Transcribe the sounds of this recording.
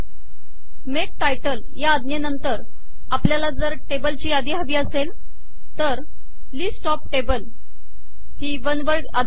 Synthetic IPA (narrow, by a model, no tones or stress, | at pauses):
mek̚ʈajʈəl | jaːd̪nenənt̪əɾ | apljalad͡zəɾʈebəlt͡ɕiːad̪iːɦaʋiːəsel | t̪əɾ | liːsʈɔp̚ʈebəl | ɦiːʋənʋəɾa